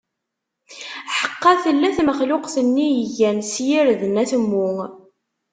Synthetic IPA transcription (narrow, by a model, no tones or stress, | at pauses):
ħə̥qːɑθəlːæθməχlʊqθənːijəʝænsjiɾðənæθmːʊŋ